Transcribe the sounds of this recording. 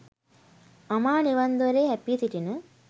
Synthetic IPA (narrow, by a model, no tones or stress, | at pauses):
amaːniʋand̪oʋɐɾeːɦæpit̪iʈinə